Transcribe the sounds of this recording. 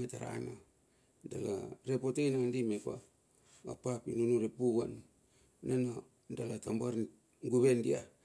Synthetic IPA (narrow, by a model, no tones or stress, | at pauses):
etaɾa̰no | dala̰ɾepotejnaŋndimepa̰ | a̰papḭnunuɾepuɡan | nano | dalatambaɾ | ŋɡuβendia